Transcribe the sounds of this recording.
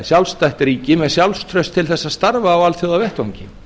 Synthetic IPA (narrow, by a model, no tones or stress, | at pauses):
sjawlst̪ajht̪ɾiːcɪmɛðsjawlst̪ʰɾœɥst̪ʰːɪlθɛsːaðst̪aɾvaːwalθjowðavɛht̪oɲcɪ